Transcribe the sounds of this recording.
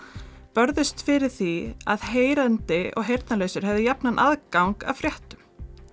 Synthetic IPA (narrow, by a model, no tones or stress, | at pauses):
pœɾðɪst̪fɪɾɪɾ̥θia̰ðheːjɾant̪ɪɔ̰ɣɦejɾ̥t̪naleːjsʏɾ̥ɦɛvðɪjapnanʔaðkawŋka̰fɾjɛht̪ʏm